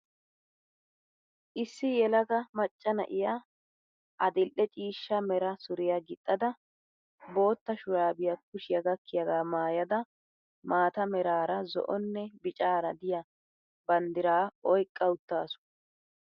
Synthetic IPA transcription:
ʔɪsːɪjɛlɐɡɐmɐt͡ʃʼːɐnɐ̰ʔɪja | ʔɐd̪ɪlʔɛt͡ʃʼiːʃːɐmɛɾɐsʊɾɪjɐɡɪt̪ʼːɐd̪ɐ | bo̞ːt̪ːɐʃʊjaːbɪjɐk̚ʊʃɪjɐɡɐkːɪjɐɡaːmaːjɐd̪ɐ | maːt̪ɐmɛɾaːɾɐzɔ̰ʔɔnːɛbɪt͡ʃʼaːɾɐd̪ɪjɐ | bɐnd̪ɪɾaːɔjkʼːɐʊt̪ːaːsʊ̥

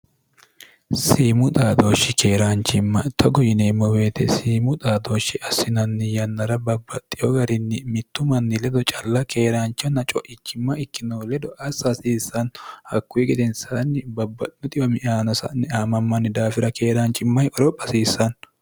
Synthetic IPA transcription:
siːmʊt̪ʼaːd̪oːʃːɪkʰe̞ːɾaːnt͡ʃʼɪmːɐt̪ʰɔɡɔjɪneːmːɔweːt̪ʰɛsiːmʊt̪ʼaːd̪o̞ːʃːɪʔɐsɪnɐnːɪjɐnːɐɾɐbɐbːɐt̪ʼːɪjɔɡɐɾɪnːɪmɪt̪ːʊmɐnːɪlɛd̪ɔt͡ʃʼɐlːɐke̞ːɾaːnt͡ʃɔnːɐt͡ʃʼɔʔɪt͡ʃːɪmːɐɪkːɪnoːlɛd̪ɔʔɐsɐsiːsːɐnhɐkːʊjɛɡɛd̪ɛnsanːɪbɐbːɐt̪ʼɪnɔt̪ʼɪjɔmɪaːnɐsɐ̰nːɪaːmɐmːɐnːɪd̪aːfɪɾɐke̞ːɾant͡ʃʼːɪmːɐjʔɔɾɔpʼːɐsiːsːɐn

